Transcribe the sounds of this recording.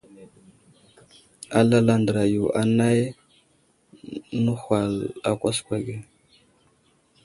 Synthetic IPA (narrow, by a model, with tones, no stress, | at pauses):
a˨la˦la˦ndə˨ɾa˨ju˨ʔa˨na˦j | nu˦hʷa˨la˨kʷa˦skʷa˨ɡe˦